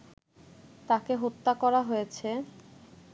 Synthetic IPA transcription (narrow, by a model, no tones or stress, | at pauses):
t̪akeɦot̪ːakɔɾaɦojet͡ɕʰe